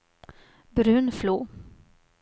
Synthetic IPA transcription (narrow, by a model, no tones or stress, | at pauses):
bɾʉ̟ːnfluː